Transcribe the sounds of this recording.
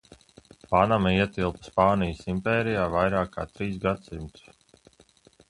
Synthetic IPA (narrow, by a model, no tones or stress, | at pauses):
panamaiɛt̪ilˠpə̥spaːnijəsimpɛːɾijaːvajɾaːkːa̰ːt̪ɾiːs̬ɡat̪simt̪u̥s